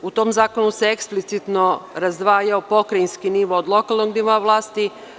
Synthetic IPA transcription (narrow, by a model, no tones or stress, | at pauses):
ut̪o̞mzaːko̞nuseeksplit̪sit̪no̞ɾazd̪ʋaːjaopo̞kɾainskiniʋo̞ːd̪lˠo̞kalˠnoɡniʋoaʋlˠaːst̪i